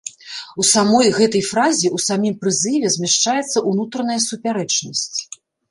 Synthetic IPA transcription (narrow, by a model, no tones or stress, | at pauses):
usamɔjɣɛt̪ɐjfɾazʲiusamʲimpɾɨzɨvʲɛzʲmʲaʂt͡ʂajɛt̪sːɐʔunut̪ɾɐnɐjɐsupʲaɾɛt͡ʂnɐsʲt͡sʲ